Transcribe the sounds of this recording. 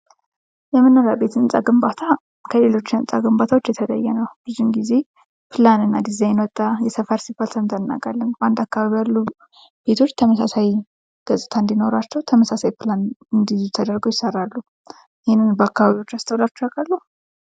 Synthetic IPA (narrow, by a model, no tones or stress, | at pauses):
jɛmːɨnːəɾabe̞t̪ɨnsʼa̰ɡɨmbat̪ʰa | kʰəle̞lo̞t͡ʃːɪnɨ̰nsʼaɡɨmbat̪ʰawo̞t͡ʃːjɛt̪ʰələ̰jːɛnəwb̥ɨzumɡize̞ | pʰɨlanɨnːad̪izajɪnwət̪ʼːajɛsəfəɾsibalsʰəmt̪ʰanːa̰kʼalːənbʔand̪akːaβaβijalːu | b̥e̞t̪ʰo̞t͡ʃːt̪ʰəməsasaj | ɡ̥əsʼɨt̪ʰaɨnd̪ino̞ɾat͡ʃːɛwt̪ʰəməsasajpʰlanɨnd̪izut̪ʰəd̪əɾɡo̞jɪsərːalːu | jɪhɪnːɨnbəakːaβaβiwo̞t͡ʃːast̪ʰəwlat͡ʃːɛwakʼəɾlu